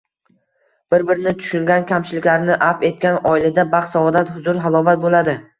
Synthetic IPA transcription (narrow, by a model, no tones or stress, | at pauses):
b̥ɪɾbɪɾɪnɪt̪ʰʊ̥ʃʊŋɡʲankʲʰamt͡ʃʰɪlɪkʲlaɾnɪʔafe̞t̪̚kʲanɒɪlad̪abaχsavɒd̪at̪hʊzʊɾɦalˠɒvat̪̚bolad̪ɪ